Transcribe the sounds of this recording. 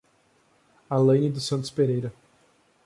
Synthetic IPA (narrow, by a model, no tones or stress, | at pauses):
alɐ̃jnɪd̪ʊsɐ̃nt̪ʊ̥speɾejɾɐ